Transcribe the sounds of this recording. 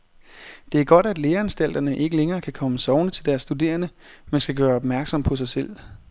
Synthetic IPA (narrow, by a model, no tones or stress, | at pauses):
d̥e̝æɐɡ̥ɒ̽d̥æd̥le̝ːɐænsd̥æl̰d̥ɐnəʔe̝ɡ̥əleŋɐːkʰækʰɒ̽məsɒʊnət͡sʰe̝ld̥æɐsːd̥ud̥e̝̰ːɐnə | mensɡ̥æɡ̥ɶːɐɒ̽b̥mæɐɡ̥sɒ̽m̰pʰɒ̽s̬ɑ̈ɪsel̰